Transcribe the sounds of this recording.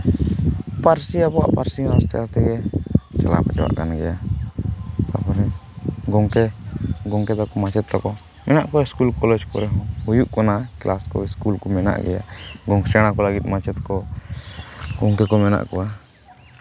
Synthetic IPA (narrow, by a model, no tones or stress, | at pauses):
paɾsiabɔwa̰ʔpaɾsiaast̪ɛast̪ɛɡɛt͡ʃala̰paʈɛwa̰ʔkanɡɛja | t̪apɔɾɛɡɔŋkɛɡɔŋkɛd̪ɔkɔmat͡ʃɛt̪̚ːɔkɔ | mɛnaʔkɔwaiskulkɔlɛd͡ʒkɔɾɛɦhujuʔkɔnaklʔaskɔ̰iskulkɔmɛna̰ʔɡɛ̰ja̰ɡɔŋsɛɽ̃akɔlaɡit̪̚ˀmat͡ʃɛt̪kɔ | ɡɔŋkɛkɔmɛna̰ʔkɔwa